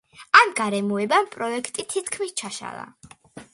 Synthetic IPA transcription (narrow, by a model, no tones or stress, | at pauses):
amɡaɾɛmuɛbampʼɾɔɛkʰt̪ʼit̪ʰit̪ʰkʰmist͡ʃʰaʃa̰lˠa̰